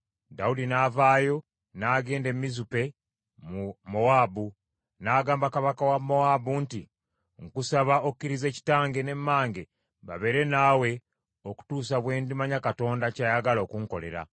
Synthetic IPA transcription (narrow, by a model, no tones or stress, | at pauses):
daudinaːvaːjo̞ | naːɡe̞ːnde̞mːizupe̞ | mumo̞aːbu | naːɡaːmbakaβakawamːo̞abunti | ŋkusaβaokukːiɾize̞ci̥taːŋɡe̞ne̞mːaːŋɡe̞ | βa̰βe̞ɾe̞naːwe̞ | oku̥tuːs̬aβwe̞ːndimaɲakato̞ːndacajaɡalo̞ːkuŋko̞le̞ɾa̰